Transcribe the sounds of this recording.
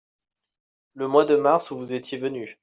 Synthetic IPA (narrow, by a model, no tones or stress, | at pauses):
ləmwad̪əmaʁsuvuzet̪jevəny